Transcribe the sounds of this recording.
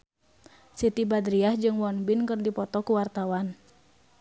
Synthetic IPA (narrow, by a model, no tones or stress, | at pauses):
sit̪ibadɾiahd͡ʒɨŋwɔnbinkɨrdipɔt̪ɔkuwart̪awan